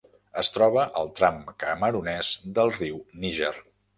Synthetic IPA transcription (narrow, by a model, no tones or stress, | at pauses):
əst̪ɾɔβ̞əʔəlˠt̪ɾamkəməɾunɛzd̪əlˠriwniʒɛr